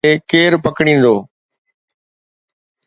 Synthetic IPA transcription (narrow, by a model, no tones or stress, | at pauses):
eːkeːɾpəkɽ̃ĩːn̆d̪oː